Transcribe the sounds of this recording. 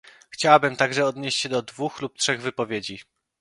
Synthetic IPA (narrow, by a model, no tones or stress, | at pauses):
xt͡ɕawabɘmt̪aɡʐɛɔd̪ɲeɕt͡ɕɕɛd̪ɔd̪vuxlup̚tʂɛɣvɘpɔvʲjed͡ʑi